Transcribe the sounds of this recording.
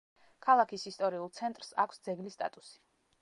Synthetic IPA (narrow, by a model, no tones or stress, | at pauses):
kʰalˠakʰisist̪ʼɔɾiulˠt̪sʰɛnt̪ʼɾsa̰kʷʰsd̪zɛɡlist̪ʼa̰t̪ʼusi̥